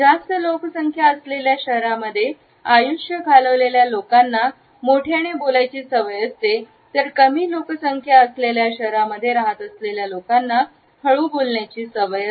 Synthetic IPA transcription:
d͡zast̪əloksəŋkʰjaəsleljaɕəɦɾaməd̪ʱːje | ajuʂjəɡʱaləʋleljalokanːa | moʈʰjaɽ̃ebolajt͡ɕiːsəʋəjəst̪e | t̪əɾkəmiːloksəŋkʰjaəsleljaɕəɦɾaməd̪ʱːjeɾaɦat̪əsleljalokanːa | kʰəɭuːbolɳjat͡ɕiːsəʋəjə

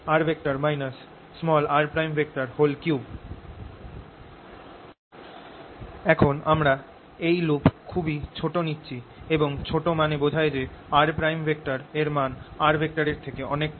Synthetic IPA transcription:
aɾbʱek̚ʈaɾmajnasː | mɔlaɾpɾajmbʱek̚ʈaɾholkiw | ɛkʰonamɾa | ejlupkʰubit͡ɕʰoʈonitːɕʰieboŋt͡ɕʰoʈomanebod͡ʑʱaed͡ʑeaɾpɾajmbʱekʈaɾeɾmanaɾbʱek̚ʈaɾeɾt̪ʰekeɔnek̚

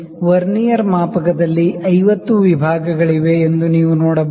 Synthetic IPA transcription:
ʋɐɾnijɐɾmaːpɐkɐd̪ɐlːiʔɐjʋɐt̪ːuʋibʱaːɡɐɡɐɭiʋe̞ːnd̪uniːʋunoːɽɐb

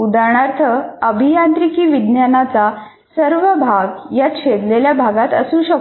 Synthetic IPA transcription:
ud̪aɳ̃aɾt̪ʰəəbʱijant̪ɾikiːʋid̪njanat͡sa | səɾʋəbʱaɡjat̪ɕed̪leljabʱaɡat̪əsũːɕək

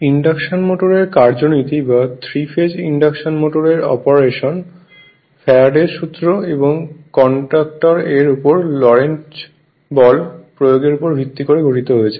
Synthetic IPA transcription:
iɳɖakʃonmoʈoɾeɾkaɾd͡ʑonit̪ibat̪ʰɾifʰed͡ʑiɳɖakʃonmoʈoɾeɾɔ̰poɾeʃon | fʰɛaɖeʃut̪ːɾoeboŋkɔɳʈɾak̚ʈoɾeɾupoɾlɔɾent͡ɕ | bɔlpɾojoɡeɾupoɾbʱit̪ːikoɾeɡʱoʈit̪oɦojet͡ɕʰe

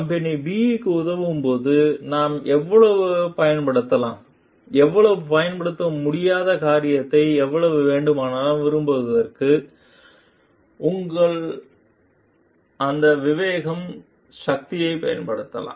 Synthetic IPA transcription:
kɐmpɐnibiːkːɯʊðɐʋɯmpoːðɯnaːmʔɛʋːɐɭɐʋɯpɐjɐnpɐɽɯt̪ːɐlã̰ːm | ɛʋːɐɭɐʋɯpɐjɐnpɐɽɯt̪ːɐmʊɽɪjaːðɐkaːɾɪjɐt̪ːɐɪɛʋːɐɭɐʋɯʋeːɳɖɯmaːnɐʋɪɾɯmpoːðɯðɐɾkɯ | ʔʊŋɡɐɭ | ʔɐnd̪ɐʋɪʋeːɣɐm | ʃɐk̚t̪ɪjɐɪpɐjɐ̰npɐɽɯt̪ːɐ̰lã̰ːm

